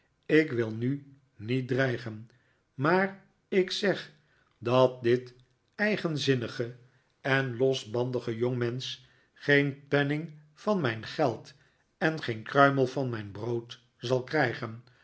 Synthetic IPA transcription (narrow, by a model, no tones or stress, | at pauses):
ɪkʋɪlˠny | nit̚drɛjχən | maːr | ɪksɛχ | dɑt̚dɪt | ɛjχənzɪnəχə | ɛnlɔsbɑndəχəjoŋmɛns | χejnpɛnɪŋ | vɑnmɛjnχɛlˠt | ɛnχejnkrœɥməlˠvɑnmɛjnbrowt | zɑlˠkrɛjχən